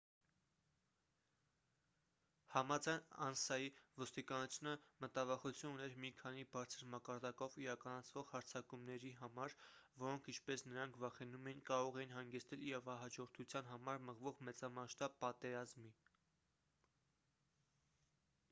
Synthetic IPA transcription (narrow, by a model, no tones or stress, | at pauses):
hɑmɑd͡zɑjnɑ̰nsɑjivɔst̪ikɑnut͡sʰjunəmət̪ɑvɑχut͡sʰjununɛɾmikʰɑnibɑɾt͡sʰəɾmɑkɑɾd̪ɑkɔviɾɑkɑnɑt͡sʰvɔʁhɑɾt͡sʰɑkumnɛɾiɦɑmɑɾvɔɾɔŋkʰint͡ʃʰpɛsnəɾɑŋkʰvɑχɛnumɛjinkɑɾɔʁɛinɦɑŋɡɛst̪ɛliɾɑvɑɦɑd͡ʒɔɾt̪ʰut͡sʰjɑnɦɑmɑɾməʁvɔʁmɛt͡sɑmɑʃt̪ɑb̚pɑt̪ɛɾɑzmi